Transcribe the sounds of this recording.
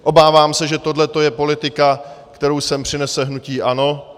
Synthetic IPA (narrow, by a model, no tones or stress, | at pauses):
ʔo̞baːvaːmsɛʒɛt̪o̞dlɛt̪o̞jɛpo̞lɪt̪ɪkakt̪ɛɾowsɛmpr̝̥ɪnɛsɛɦnuciːʔano̞